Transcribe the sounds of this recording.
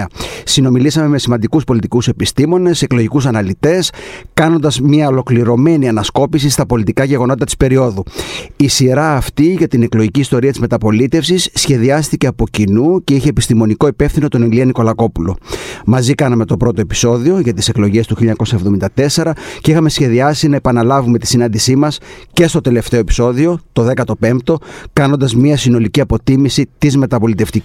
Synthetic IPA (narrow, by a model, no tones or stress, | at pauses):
ɐsino̞milisɐme̞me̞simɐnd̪ikuspo̞lit̪ikuse̞pist̪imo̞ne̞se̞klo̞ʝikusɐnɐlit̪e̞skɐno̞nd̪ɐzmɐolo̞kliɾo̞me̞niɐnɐsko̞pisist̪ɐpo̞lit̪ikɐʝe̞ɣo̞no̞t̪it̪ɐt̪i̥spe̞ɾio̞ðuisiɾɐːft̪iʝɐt̪ine̞klo̞ʝiciːst̪o̞ɾiɐt̪izme̞t̪ɐpo̞lit̪e̞fsisːçe̞ðiɐst̪ice̞ɐpo̞cinuce̞içe̞ːpist̪imo̞niko̞ipe̞fθino̞t̪o̞neliɐniko̞lɐko̞pulo̞̰mɐzikɐnɐme̞t̪o̞pɾo̞t̪o̞e̞pi̥so̞ðio̞ʝɐt̪ise̞klo̞ʝe̞st̪uçiliɲɐko̞sɐevðo̞mind̪ɐt̪e̞se̞ɾɐceixɐme̞sçe̞ðiɐsinɐe̞pɐnɐlɐvume̞t̪isinɐnd̪isimɐsce̞st̪o̞t̪e̞le̞ft̪e̞o̞epi̥so̞ðio̞t̪o̞ðe̞kɐt̪o̞pe̞mp̚t̪o̞kɐno̞nd̪ɐzmiɐsino̞liciɐpo̞t̪imisit̪izme̞t̪ɐpo̞lit̪e̞ft̪i